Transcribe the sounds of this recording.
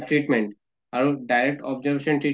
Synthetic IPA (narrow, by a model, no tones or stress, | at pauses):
ʈɾiʈmẽɳʈ | aɾuɖajɾek̚ʈɔbd͡ʑəɾbeʃɔnʈɾi